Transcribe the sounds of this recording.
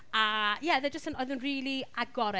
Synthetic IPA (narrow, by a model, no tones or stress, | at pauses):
ajɛðɛd͡ʒəstənoːɨðuːnriːlˠiaɡɔɾɛ